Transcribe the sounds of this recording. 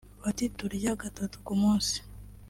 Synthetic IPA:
βatituɾijaɡatatu̥kumuːnsi̥

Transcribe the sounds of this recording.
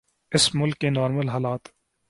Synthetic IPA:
ɪsmʊlkːenɔːɾməlɦaːlaːt̪

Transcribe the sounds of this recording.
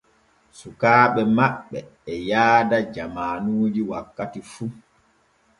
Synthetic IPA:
sukaːɓɛmaɓːɛːjaːdad͡ʒamaːnuːd͡ʒiwakːatifu

